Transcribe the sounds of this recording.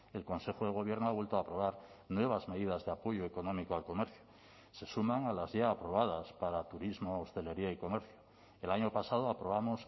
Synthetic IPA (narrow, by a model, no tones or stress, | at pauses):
elko̞nse̞xoðeɣ̞o̞β̞je̞ɾnoaβwe̞lt̪oapɾo̞βaɾnwe̞β̞azme̞ðiðazðeapo̞ʝoeko̞no̞mikoalko̞meɾθjo̥ | se̞sumãŋalazʝaːpɾo̞β̞að̞aspaɾat̪uɾizmoost̪e̞le̞ɾiaiko̞me̞ɾθjo | elaɲopasað̞oapɾo̞βamo̞s